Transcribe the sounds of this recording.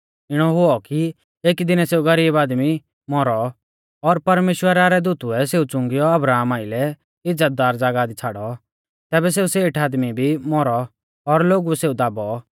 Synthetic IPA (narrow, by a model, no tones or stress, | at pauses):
ɪɽ̃ɔɦʊɔki | eːkd̪ɪnɛseːuɡɐɾiːbaːd̪mi | mɔɾɔ | ɔɾpɐɾmeːʃwəɾaɾɛd̪uːt̪uɛseːut͡sʊ̃ŋɡɪjɔɐbɾaːmaːɪlɛ | ɪd͡zət̪̚d̪aːɾd͡zaːɡad̪it͡sʰaːɽɔ | t̪ɛːbɛs̬eːuseːʈʰaːd̪mibʱimɔɾɔː | ɾloːɡuɛseːud̪aːbɔ